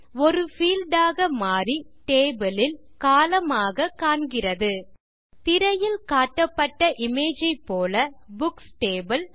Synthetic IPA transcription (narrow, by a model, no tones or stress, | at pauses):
ɔɾɯfiːlɖaːɣɐmaːriʈeːbɐlɪl | kaːlɐmaːɣɐkaːɳɡɪrɐðɯ | t̪ɪɾɐjɪlkaːʈːɐpːɐʈːɐʔɪmeːd͡ʒɐɪpːoːlɐbʊksʈeːbɐl